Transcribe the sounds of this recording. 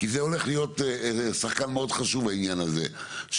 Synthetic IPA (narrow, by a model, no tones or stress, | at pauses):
kizeole̞χlijo̞t̪saχkanmeo̞d̪χaʃuvbainjanazḛʃ